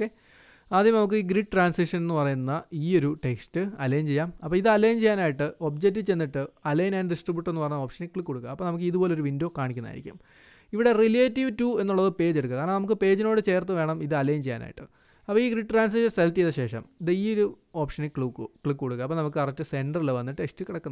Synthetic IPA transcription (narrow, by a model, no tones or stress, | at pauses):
oke | aːd̪jɐmnɐmuk̬ːɨiːɡɾiʈʈraːnsiʂɐnenːɨpɐrɐjunːɐiːo̞ɾuʈe̞kstɨɐlejmt͡ɕe̞jːaːmɐpːoːiðɨɐlejmt͡ɕe̞jːaːnaːjiʈːɨʔo̞b̚d͡ʑek̚tːɨt͡ɕenːiʈːɨɐlɐjnɐnɖisʈribuʈːe̞nːɨpɐrɐɲːɐoːpʂɐneklikːoɽukːɐ̰ɐpːoːnɐmukːɨiðupo̞ːle̞oɾuʋindo̞ːkaːɳikʲːunːa̰jiɾikʲːṵm | iʋiɽe̞rileːtːiʋtuːe̞nːuɭːɐðɨpe̞ːd͡ʑe̞ɽukːɨkaːɾɳɐmnɐmukːɨpe̞ːd͡ʑino̞ːɽɨt͡ɕe̞ːrt̪ːɨʋeːɳɐmiðɨɐlejmt͡ɕejːa̰ːna̰ːjiʈːɨ̰ | ɐpːoːiːɡɾiʈːʈraːns̬iʂɐnseltːijðɐɕe̞ːʂɐ̰miðɨiːo̞ɾuo̞ːpʂɐnikukɭikːkoɽukːɐɐpːonɐmuk̬ːɨɐrɐtːɨse̞nɖɐrilɨʋɐnːiʈːɨʈekstːɨkːiɽɐkːunɐ